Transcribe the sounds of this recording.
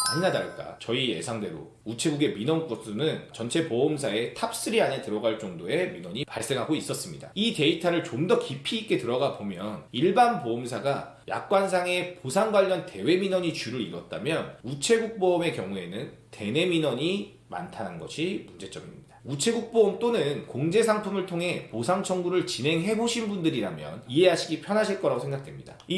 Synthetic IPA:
aɲinadaɭk͈a̰t͡ɕʌije̞̰sʰaŋde̞ɾo̰ | ut͡ɕʰe̞ɡuɡe̞minʌnk͈os͈ʰonɯnt͡ɕʌnt͡ɕʰe̞poomsʰae̞tʰap̚s͈ɯɾiaɲetɯɾʌɡaɭt͡ɕ͈ʌŋdoe̞minwʌɲipaɭs͈e̞ŋɦaɡois͈ʌs͈ɯmɲida̰ite̞itʰaɾɯɭt͡ɕomdʌkipʰiːk͈e̞tɯɾʌɡapomjʌniɭbanpoomsʰaɡa | ja̰k̚k͈wans̬ʰaŋe̞posʰaŋɡwaʎːʌnte̞we̞minwʌɲit͡ɕuɾɯɾiɾʌt̚t͈a̰mjʌnut͡ɕʰe̞ɡuk̚p͈ʌme̞kjʌŋue̞̰nɯn | te̞ne̞minʌɲi | ma̰ntʰananɡʌɕʰimund͡ʑe̞t͡ɕ͈ʌbimɲid̥ḁut͡ɕʰe̞ɡuk̚p͈ʌːmt͈onɯnkoŋd͡ʑe̞sʰaŋtʰumɯɭtʰoŋɦe̞posʰaŋt͡ɕʰʌŋɡuɾɯɭt͡ɕinɦe̞ŋɦe̞boɕʰinbundɯɾiɾamjʌ̰niɦe̞ɦaɕʰiɡipʰjʌnɦaɕʰiɭk͈ʌɾaɡosʰeŋɡak̚t͈wemɲida̰i

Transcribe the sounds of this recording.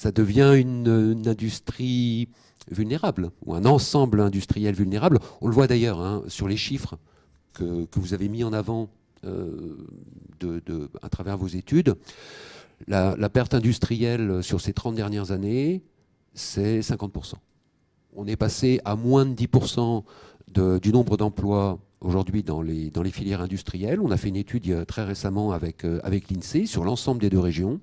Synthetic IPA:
sad̪əvjɛ̃ynnɛ̃d̪yst̪χi | vylneʁablṵɛ̃nɑ̃sɑ̃blɛ̃d̪yst̪χijɛlvylneʁablɔ̃ləvwad̪ajœːʁɛ̃syʁleʃifχə | kəkəvuzavemiɑ̃navɑ̃ | ø̰ | d̪əd̪əa̰t̪χavɛʁvozet̪yd̪ | lalapɛʁt̪ɛ̃d̪yst̪χijɛlsyʁset̪χɑ̃t̪̚d̪ɛʁnjɛʁzane | sɛsɛ̃kɑ̃t̪̚puʁsɑ̰̃ | ɔ̃nɛpaseamwɛ̃d̪d̪ipuʁsɑ̃d̪əd̪ynɔ̃bʁəd̪ɑ̃plwa | oʒuʁd̪ɥid̪ɑ̃led̪ɑ̃lefiljɛʁɛ̃d̪yst̪χijɛlɔ̃nafɛynet̪ʰyd̪t̪χɛʁesamɑ̃avɛkøa̰vɛklinsesyʁlɑ̃sɑ̃bləd̪ed̪øʁeʒjɔ̃

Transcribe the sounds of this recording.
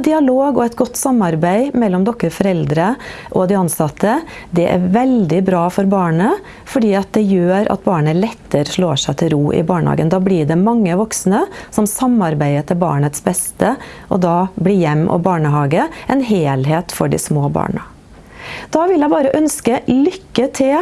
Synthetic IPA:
d̪ɪɑloːɡɔɛt̪ɡɔt̪ːsɑmɑɾbæɪmɛlːɔmd̪ɔkːəɾfɔɾɛld̪ɾəʔɔd̪ɪɑnsɑt̪ʰəd̪ɛʔæ̰ɾʋɛld̪ɪbɾɑːfɔɾbɑːɳə | fɔɖiːɑt̪̚d̪ɛjøːɾɑ̰t̪̚bɑːɳəlɛt̪ʰːəɾʂloːʂæɪt̪ʰɪlɾuːʔɪ̰bɑːɳəhɑ̰ːɡə̰nd̪ɑːblɪɖɛmɑŋːəʋɔksnəsɔmsɑmɑɾbæɪət̪ʰɪlbɑ̰ːɳət̪sbɛst̪ə | ʔɔ̰d̪ɑːblɪɾjɛmːʔɔ̰bɑːɳəɦɑːɡəɛnɦeːlɦeːt̪fɔɖɪ̰smoːbɑ̰ːɳə | d̪̥ɑːʋɪljæɪbɑːɾəʔœnskəlʏkːət̪ʰɪl

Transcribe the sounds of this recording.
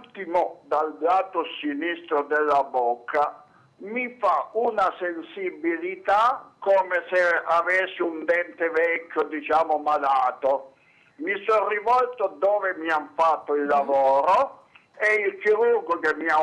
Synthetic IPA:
t̪ːimod̪albaːt̪osinist̪ɾod̪ɛlːabɔkʰːa | mifaunasensibilit̪akɔːmeseavɛsːiund̪ɛnt̪evɛkʰʲːod̪it͡ʃaːmomalaːt̪o | misɔrivɔlt̪od̪ɔːvemiaɱfat̪ːoilːavɔːɾo | ɛilt͡ʃiɾurɡokemːia

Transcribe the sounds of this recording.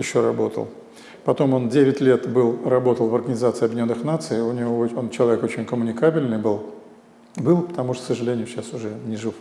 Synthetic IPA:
jɪɕːoɾɐbo̞̰t̪ə̰lˠ | pɐt̪o̞mo̞ndʲeʋʲɪtʲlʲe̞t̪bɨlˠrɐbo̞t̪əlˠvɐrɡənʲɪzat̪sɨɪɐbʲɪnʲonːɨxnat̪sɨjʊnʲɪvoont͡ɕɪlˠɐvʲeko̞t͡ɕɪnʲkəmʊnʲɪkabʲɪlʲnɨjbɨlˠ | bɨlˠpə̥t̪ɐmuʂt̪əksəʐɨlʲenʲɪjʊɕasʊʐɛnʲɪʐɨf

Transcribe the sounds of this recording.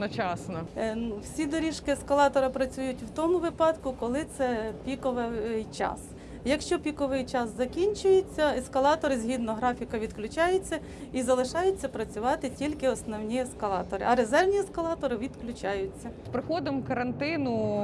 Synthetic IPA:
nɐt͡ʃɑsnɐwsʲid̪ɔɾʲiʃkɪɛskɐlˠɑt̪ɔɾɐpɾɐt͡sʲujʊtʲwt̪ɔmʊʋɪpɑd̪kʊkɔlˠɪt̪sɛpʲikɔʋɪɪjt͡ʃɑ̰s | jɐkʃt͡ʃɔpʲikɔʋɪjt͡ʃɑszɐkʲinʲt͡ʃʊjʊt͡sʲːɐɛskɐlˠɑt̪ɔɾɪzʲɦʲid̪nɔɦɾɑfʲikɐʋʲid̪klʲʊt͡ʃɑjʊt͡sʲːɐ | izɐlˠɪʃɑjʊt͡sʲːɐpɾɐt͡sʲʊʋɑt̪ɪtʲilʲkɪɔsnɔwnʲiɛskɐlˠɑt̪ɔɾɪ̰ɐɾezɛrnʲiɛskɐlˠɑt̪ɔɾɪʋʲid̪klʲʊt͡ʃɑjʊt͡sʲːɐspɾɪxɔd̪ɪmkɐɾɐnt̪ɪnʊ

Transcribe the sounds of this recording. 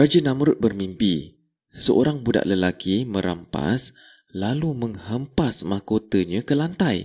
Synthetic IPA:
rad͡ʒənãməɾʊt̪̚bərmimpi | səʔo̰ɾaŋbuda̰ʔləlakʰimə̃ɾa̰mpa̰s | laluməŋhəmpasmakot̪əɲãkəlant̪aj

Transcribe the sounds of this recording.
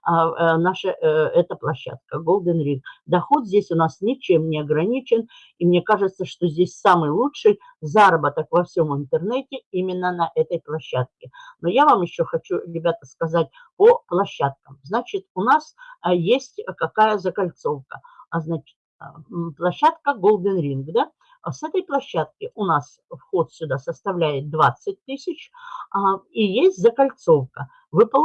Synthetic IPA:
naʂəɛt̪əplˠɐɕːa̰t̪̚kəɡolˠd̪ənɾʲikd̪ɐxo̞t̪zʲdʲesʲʊnasnʲɪt͡ɕemnʲɪɐɡɾɐnʲit͡ɕɪn | imnʲe̞kaʐɨt̪səʂt̪ozʲdʲesʲsamɨjlˠutʂɨj | zaɾəbət̪əkvɐfsʲo̞mɨnt̪ərnɛtʲɪimʲɪnːənːəʔɛt̪əjplˠɐɕːat̪̚kʲɪnojavamjɪɕːoxɐt͡ɕuɾʲɪbʲat̪əskɐzat̚ʲ | pəplˠɐɕːat̪̚kəmznat͡ɕɪt̪ʊnasjesʲtʲkɐkajəzəkɐlʲt̪so̞fkəaznat͡ɕɪ̥t̪plˠɐɕːat̪kəɡolˠd̪ʲɪnɾʲinɡd̪a | sɛt̪əjplˠɐɕːat̪̚kʲɪʔʊnas | fxot̪sʲʊd̪asəst̪ɐvlʲæjɪt̪̚d̪vat̪sɨt̚ʲt̪ɨsʲɪt͡ɕ | ijesʲtʲzəkɐlʲt̪so̞fkə | vɨpə

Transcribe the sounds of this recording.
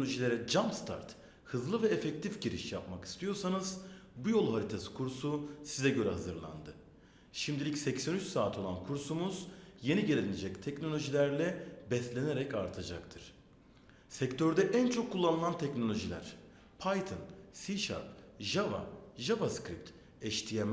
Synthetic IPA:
lʲo̞ʒilʲe̞ɾɛd͡ʒamst̪ʰa̰ɾt̪ | hɯzlˠɯvɛefɛct̪ʰifɟiɾḭʃjapmaki̥st̪ʰijo̞ɾsanɯzbujo̞lˠɦaɾit̪ʰasi̥kʰuɾsusizɛɟø̞ɾɛɦazɯɾlˠa̰nd̪ɯ | ʃimd̪ilʲicʲsɛcsænyt͡ʃsaːt̪ʰo̞lˠankʰuɾsumuzje̞niɟelʲelʲined͡ʒɛct̪ʰɛcno̞lʲo̞ʒilʲæɾlʲɛbɛslʲe̞ne̞ɾɛcaɾt̪ʰad͡ʒakt̪ʰɯɾ̥ | sɛct̪ʰøɾd̪ɛʔænt͡ʃʰo̞kʰːulˠːanɯlˠant̪ʰɛcno̞lʲo̞ʒilʲæ̰ɾ̥ | pʰajt̪ʰɯnsiʃa̰ɾp̚ʒava̰ʒavaskɾip̚t̪ | ɛʃt̪ʰijem

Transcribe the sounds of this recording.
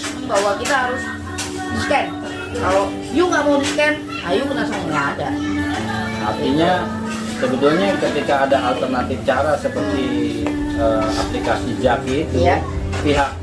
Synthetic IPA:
ibawakit̪aɦaɾʊs | diskan | kalo | juŋɡaʔmaudiskan | ajukənasaaŋaːda | art̪iɲa | səbət̪ulɲakət̪ikaːdaʔalt̪ərnat̪ɪft͡ʃaɾasəpərt̪i | əa̰plikasid͡ʒakiːt̪uja | piɦak̚

